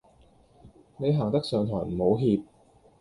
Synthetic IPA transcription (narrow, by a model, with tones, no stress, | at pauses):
ne˨˧jɦaː˨˩ŋt̪ɐ˥k̚sœː˨˧ŋt̪ʰɔː˨˩jm̩˨˩ho˨˧wɦiː˧p̚